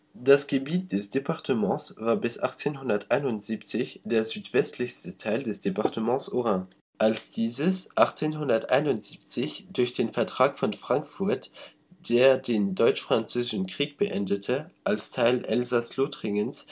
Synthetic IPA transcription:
d̥asɡ̥əbiːt̚d̥ɛsd̥epʰaʁtʰəmɑ̃sv̥aːɐbɪsʔa̰χt͡seːnhʊndɐtʔaɪnʊntz̥iːp̚t͡sɪçd̥eːɐzyːtv̥ɛstʰlɪçstətʰaɪldɛsd̥epaʁtʰəmɑ̃sʔoʁã | ʔalsd̥iːzəsʔaχt͡seːnhʊndɐtʔa̰ɪnʊntz̥iːp̚t͡sɪçd̥ʊɐçd̥eːnfɛɐtʁ̥aːkfɔnfʁ̥aŋkfʊɐt | d̥eːɐdeːndɔʏt͡ʃfʁ̥ant͡søːzɪʃn̩kʁ̥iːk̚b̥əʔɛndətʰəʔalstʰaɪlʔɛlzaslotʁɪŋəns

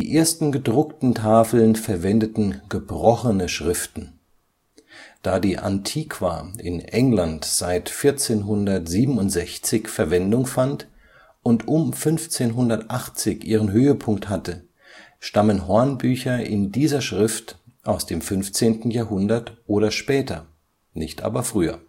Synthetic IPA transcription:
d̥iːʔeːɐstn̩ɡədʁʊktn̩tʰaːfl̩nfɛɐvɛndətn̩ɡ̥əbʁɔxənəʃʁ̥ɪftn̩ | d̥aːdiːʔa̰ntʰiːkʰv̥aːʔɪnʔɛŋlantz̥aɪtfɪɐt͡seːnɦʊndɐtz̥iːbm̩ʊntz̥ɛçt͡sɪçfɛɐvɛndʊŋfant | ʔʊntʔʊmfʏnft͡seːnɦʊndɐtʔaχt͡sɪçʔiːʁ̞ənɦøːəpʰʊŋkthatə | ʃtamənɦɔɐnbyːçɐɪ̰ndiːzɐʃʁ̥ɪftʔaʊsd̥eːmfʏnft͡seːntn̩jaːɐɦʊndɐtʔoːɾɐʃpɛːtʰɐ | nɪçtʔa̰ːbɐfʁ̥yːɐ̰

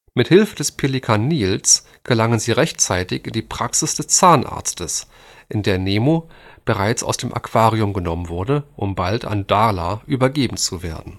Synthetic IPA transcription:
mɪthɪlfədɛspʰelikʰaniːls | ɡ̥əlaŋənziːʁɛçtt͡saɪtɪçɪndiːpʁ̥aksɪsd̥ɛst͡saːnʔa̰ːɐt͡stəs | ʔɪndeːɐneːmob̥əʁaɪt͡sa̰ʊsd̥eːmʔa̰kv̥aːʁiʊmɡənɔmənvʊɐdəʔʊmbaltʰa̰nd̥alaʔyːbɐɡeːbm̩t͡suveːɐdn̩

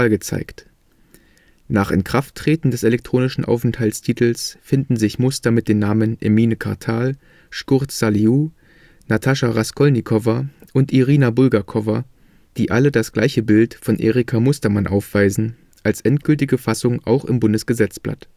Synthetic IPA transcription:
alɡət͡sa̰ɪkt | naːχɪ̰nkʁ̥aftʰːʁ̥eːtn̩dɛsɛlɛk̚tʁ̥oːnɪʃn̩ʔa̰ʊfɛnthalstʰiːtʰl̩sfɪndn̩zɪçmʊstɐmɪt̚d̥eːnːaːmənʔḛmiːnəkʰa̰ɐtʰaːl | ʃkʊʁtsaluː | natʰaʃaʁaskʰɔlnikʰɔvɐʔʊntʔiʁiːnabʊlɡakʰɔvɐ | d̥iːʔalədasɡ̥laɪçəbɪltfɔnʔḛːʁikʰamʊstɐmanʔa̰ʊfv̥aɪzn̩ | ʔalsʔɛntɡ̥ʏltɪɡəfasʊŋʔa̰ʊxɪ̰mbʊndəsɡ̥əzɛt͡sb̥la̰t

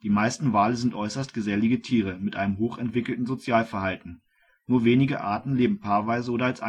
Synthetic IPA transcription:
d̥iːmaɪstn̩vaːləzɪntʔɔʏsɐstɡ̥əzɛlɪɡətʰiːʁ̞əmɪtʔa̰ɪnəmɦoːχɛntv̥ɪkl̩tn̩zot͡sjaːlfɛɐhaltn̩ | nuːɐveːnɪɡəʔa̰ɐtn̩leːbm̩pʰaːɐvaɪzəʔoːɾɐalsʔa

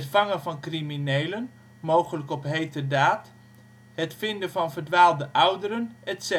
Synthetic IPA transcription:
tfɑŋəvɑnkriminejlən | mowχələkɔpɦejtədaːt | hɛtfɪndəvɑnvərdʋaːlˠdəʔawdəɾənɛtsɛ

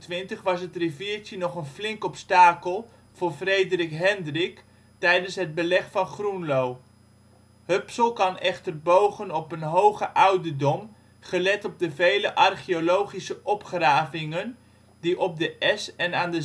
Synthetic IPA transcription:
tʋɪntəχʋɑsɦətriviːɹtənɔχənflɪŋkɔpstaːkəlˠ | v̥ʊːɹvrejdərɪkɦɛndrɪk | tɛjdənsɦəd̚bəlɛχfɑnχrunlow | hɵpsəlˠkɑnɛχtərbowχənɔpənɦowχəʔʌwdədɔm | χəlɛtɔb̚dəvejləʔɑrχiolowχisəʔɔpχraːvɪŋən | diʔɔb̚dəʔɛsɛnaːndə

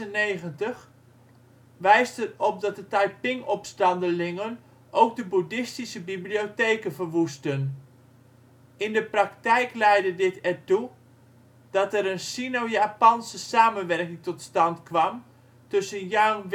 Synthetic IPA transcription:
əneɣəntəx | ʋɛjstətɔp̚dɑt̚dətajpɪŋɔpstɑndəlɪŋən | owk̚dəbudɪstisəbibliotejkənvərʋustən | ɪndəpraktɛjklɛjdədɪtɛrtu | d̥ɔtɛɾənsinowjaːpɑnsəsaːmənʋɛrkɪŋtɔtstɑntkʋɑm | tɵsənjawnʋ

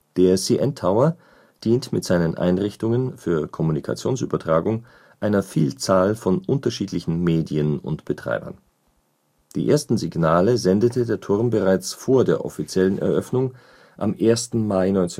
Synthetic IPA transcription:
d̥eːɐsiʔɛntʰaʊɐ | d̥iːntmɪtz̥aɪnənʔa̰ɪnʁɪçtʊŋənfyːɐkʰɔmunikʰa̰t͡sjoːnsy̰ːbɐtʁ̥aːɡʊŋ | ʔaɪnɐfiːlt͡saːlfɔnʔʊntɐʃiːtlɪçn̩meːdiənʊ̰ntb̥ətʁ̥a̰ɪbɐ̰n | d̥ḭːʔḛːɐstn̩zɪɡnaːləzɛndətʰədeːɐtʰʊɐmbəʁaɪt͡sfoːɐdeːɐʔɔ̰fit͡sjɛlənɛ̰ɐʔœfnʊŋ | ʔa̰mʔeːɐstn̩maɪnɔʏnt͡sɛ

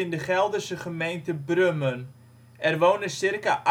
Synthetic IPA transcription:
ɪndəχɛlˠdərsəχəmejntəbrømən | ɛrʋoːnəsɪrkaʔ

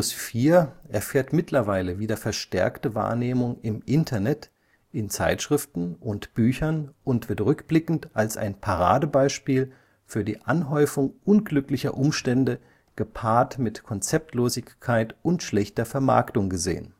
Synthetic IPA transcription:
ʊsfiːɐʔɛɐfeːɐtmɪtʰlɐvaɪləviːdɐfɛɐʃtɛ̰ɐktəva̰ːɐneːmʊŋɪmʔɪntʰɐnɛt | ʔɪnt͡sa̰ɪtʃʁ̥ɪftn̩ʔʊntb̥yːçɐnʔʊntv̥ɪɐtʁʏkb̥lɪkn̩tʔalsʔa̰ɪnpʰaʁa̰ːdəbaɪʃpiːl | fyːɐdiːʔanɦɔʏfʊŋʔʊnɡlʏklɪçɐ̰ʔʊmʃtɛndə | ɡ̥əpʰaːɐtmɪtkʰɔnt͡sɛp̚tloːzɪçkʰːaɪtʔʊntʃlɛçtɐfɛɐma̰ɐktʊŋɡəzḛːə̰n

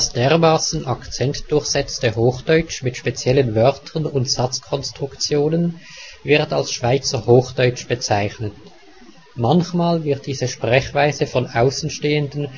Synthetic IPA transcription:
asd̥eːɐʁmaːsn̩ʔakt͡sɛntd̥ʊɐçz̥ɛt͡stəhoːxd̥ɔʏt͡ʃmɪtʃpet͡sjɛlənvœʁtʰənʊntz̥at͡skʰɔnstʁ̥ʊkt͡sjoːnən | vɪʁtalsʃv̥aɪt͡səhoːxd̥ɔʏt͡ʃb̥ət͡saɪçnət | mançmaːlvɪʁt̚d̥iːzəʃpʁ̥ɛçv̥aɪzəfɔnʔaʊsn̩ʃteːəndən̩

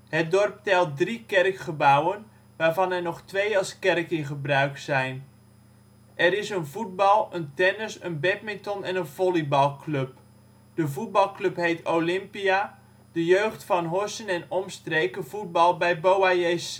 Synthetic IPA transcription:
hət̚dɔrp̚tɛlˠt̚drikɛrkχəbawən | ʋaːɹvɑnɛrnɔχtʋejɑlˠskɛrkɪnχəbrœɥksɛjn | ʔɛɾɪsənvut̚bɑlˠəntɛnəsənbɛt̚mɪntɔnɛnənv̥ɔlibɑlˠklɵp | d̥əvut̚bɑlˠklɵpɦejtʰowlɪmpia | d̥əjøɥχtfɑnɦɔsənɛnɔmstrejkəvut̚bɑlˠbɛjbowajes

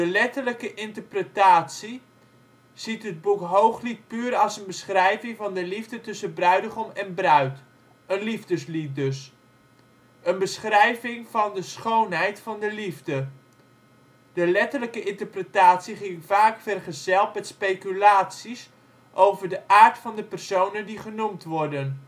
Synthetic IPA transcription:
dəlɛtələkəʔɪntəɹprətaːtsi | z̥itɦəd̚bukɦowχlit̚pyːɾɑlˠsənbəsχrɛjvɪŋvɑndəlivdətɵsəbrœɥdəχɔmɛnbrœɥt | ənlivdəslit̚dɵs | ənbəsχrɛjvɪŋvɑndəsχownɦɛjtfɑndəlivdə | d̥əlɛtələkəʔɪntəɹprətaːtsiχɪŋvaːkfɛrχəzɛlˠtmɛtspejkylaːtsis | ʔowvəɹdəʔaːɹtfɑndəpɛrsownəndiχənumtʋɔɹdən

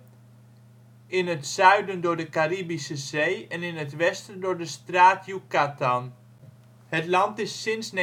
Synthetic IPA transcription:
ɪnətsœɥdəndʊːɹdəkaribisəzejɛnɪnɦətʋɛstəndʊɹdəstraːtjukatan | hətlɑntɪsːɪnsn

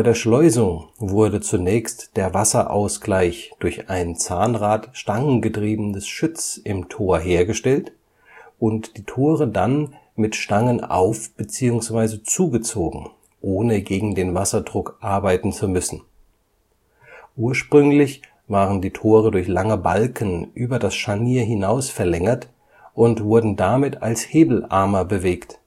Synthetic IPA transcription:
aɪdeːɐʃlɔʏzʊŋvʊɐdət͡sunɛːçstd̥eːɐvasɐʔa̰ʊsɡ̥laɪçd̥ʊɐçʔaɪnənt͡saːnʁaːtʃtaŋənɡətʁ̥iːbənəsʃʊt͡sʔɪmtʰoːɐɦeːɐɡəʃtɛlt | ʔʊntd̥iːtʰoːʁəda̰n | mɪtʃtaŋəna̰ʊfb̥ət͡siːʊŋsv̥aɪzət͡suːɡət͡soːɡŋ̩ | ʔoːnəɡeːɡŋ̩deːnvasɐdʁʊkʔaɐbaɪtn̩t͡sumʏsn̩ | ʔuːɐʃpʁ̥ʏŋlɪç | vaːʁəndiːtʰoːʁədʊɐçlaŋəbalkənʔyːbɐdasʃaniːɐɦɪnaʊsfɛɐlɛŋɐt | ʔʊntv̥ʊɐdn̩damɪta̰lsheːbl̩ʔa̰ɐmɐbəveːkt

